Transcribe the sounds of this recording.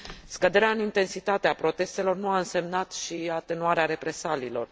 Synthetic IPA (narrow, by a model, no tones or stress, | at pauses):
skəd̪e̞ɾeaɨnint̪e̞nsit̪at̪eapɾo̞t̪e̞st̪e̞lo̞rnuaɨnse̞mnat̪ʃiat̪e̞nuaɾeaɾe̞pɾe̞saliːlo̞̰r